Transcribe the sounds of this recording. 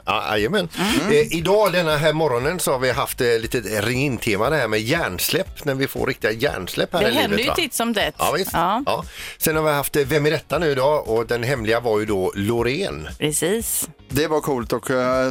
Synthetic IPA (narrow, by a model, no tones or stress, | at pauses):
ɑ̰æ̰jəmɛnɪd̪ɑːd̪ɛnːaɦæːɾmɔɾɔnənsɔhaɾvɪɦaft̪liːt̪ət̪ɾɪŋːɪnt̪ʰeːmad̪ɛɦæːɾmɛjæːɳslɛpːnæɾvɪfo̰ɾɪk̚t̪ɪɡajæ̰ːɳslɛ̰pːhæːɾɪlɛinːdət̪d̪əja̰it̪sɔmd̪ɛt̪ːɑ̰ːvɪstːɑ̰ːsɛnhaɾvɪɦaft̪vɛmːɪɾɛt̪ːanʉ̟ːɪd̪ɑːɔd̪ɛnɦɛmːlɪɡavaɾjɵd̪ɔlʊɾeːnpʰɾɛsiːs | d̪ɛvaɾkʰuːlt̪ɔk